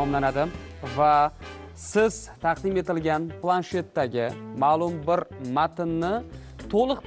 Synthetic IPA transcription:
ɒmlanad̪ɪ | va | sɪz̥t̪ʰɑqd̪ɪme̞t̪ɪlɡʲanplˠanʃe̞t̪ːaɡʲɪmaːlˠʊmbɪɾmat̪ɪnːɪ | t̪ʰolˠɨq

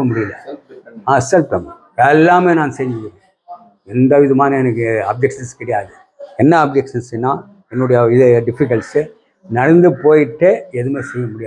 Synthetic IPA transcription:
ɐmʊɽɪjɪlːɐaːsɛlpʈɐm | ɛlːaːmeːnãːnsɛjɲd͡ʒɪʋɪɾẽː | ɛnd̪ɐʋɪðɐmaːnɐɛnɐkːɯɐb̚d͡ʒɛkʂɐnskɪɽɐjaːðɯ | ɛnːɐɐb̚d͡ʒɐkʂɐnsɛnːãː | ɛnːɯɽɐjɐɪðɖɪfɪkɐlsɯ | nɐɽɐnd̪ɯpoːjɪʈːeɛðɯmeːsɛjːɐmʊɽɪjaː

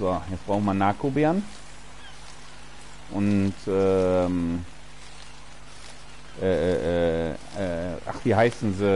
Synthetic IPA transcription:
vaːhɛb̥ʁaʊmanakobeaɐn | ʔʊntʔɛm | ʔɛːɛːʔɛː | ɛːʔa̰χv̥iːɦaɪsn̩zi

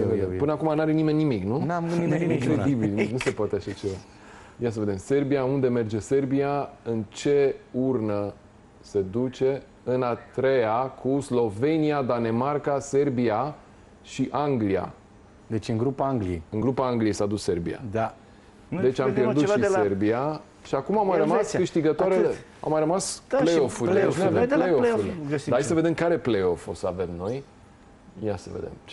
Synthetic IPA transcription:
səveempɨnəakumanaɾenime̞nːimiknunamuieĩŋkɾeibilnuse̞poat̪eaʃat͡ʃe̞va | jas̬əve̞d̪e̞mse̞rbijaund̪e̞me̞rd͡ʒe̞se̞rbiaɨnt͡ʃe̞urnə | se̞d̪ut͡ʃe̞ | ɨnat̪ɾe̞jakʰuslo̞ve̞niad̪ane̞markase̞rbia | ʃiʔaŋɡlia̰ | d̪et͡ʃɨŋɡɾupaaŋɡlieɨŋɡɾupaaŋɡlijejsad̪usse̞rbḭa̰d̪a | d̪e̞t͡ʃʲampjerdut̪ʃise̞rbia | ʃiakumamːajɾəmaskɨʃt̪iɡət̪oaɾeea̰mːajrəmaspleofuɾleenjaveleofud̪aajs̬əve̞d̪e̞mkaɾe̞pleo̞fo̞səave̞mno̞j | jasə̰vḛd̪ḛm

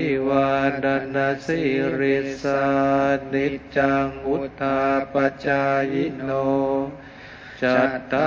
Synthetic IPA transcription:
iwadanːasiɾisanit͡ʃaŋɡut̪apat͡ʃajino | t͡ʃat̪a

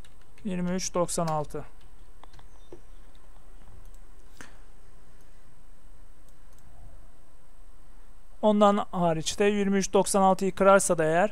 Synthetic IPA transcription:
jiɾmiyt͡ʃd̪o̞ksanalˠt̪ʰɯ | o̞nd̪anaːɾit͡ʃt̪ʰɛjiɾmiyt͡ʃd̪o̞ksanalˠt̪ʰɯikɾaɾsad̪aejæɾ

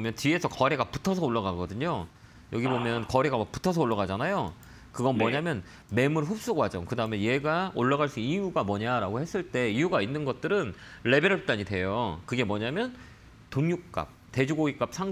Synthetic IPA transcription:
mjʌnt͡ɕie̞sʰʌkʌɾeɡapu̥tʰʌsʰʌoɭːaɡaɡʌdɯɲo | jʌɡibomjʌnkʌɾeɡamak̚pu̥tʰʌsʰʌoɭːaɡad͡ʑanajo | kɯɡʌnmwʌɲamjʌn | me̞muɾɸup̚s͈uɡwad͡ʑʌŋkɯdaɯmenje̞ɡaoɭːaɣaɭs͈uijuɡamwʌɲaɾaɡohe̞s͈ɯɭt͈e̞ijuɡainːɯnɡʌt̚t͈ɯɾɯn | ɭe̞beɾ̚t͈aɲidwe̞jokɯɡe̞mwʌɲamjʌn | toŋjuk̚k͈a̰p̚te̞d͡ʑuɡoɡik͈ap̚sʰaŋ

